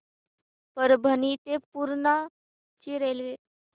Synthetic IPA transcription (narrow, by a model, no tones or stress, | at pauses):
pəɾbʱənit̪epuɾɳa | t͡ɕiɾelʋe